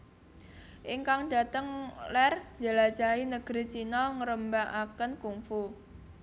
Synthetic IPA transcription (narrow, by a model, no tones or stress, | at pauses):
ʔiŋkaŋda̤t̪əŋlɛr̥d͡ʒəlḁd͡ʒainəɡ̥ɾit͡ʃinɔŋəɾəmbaʔakənkuŋfu